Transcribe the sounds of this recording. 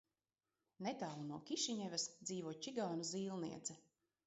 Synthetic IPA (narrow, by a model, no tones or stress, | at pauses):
net̪aːlˠunuɔkʲiʃiɲɛvɛsd̪ziːvuːt͡ʃiɡaːnuziːlˠnḭɛd̪zɛ